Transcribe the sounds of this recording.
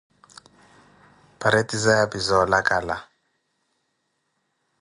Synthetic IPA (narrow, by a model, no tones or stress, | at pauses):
pʰaɾetʼizajapʼizɔlakʼala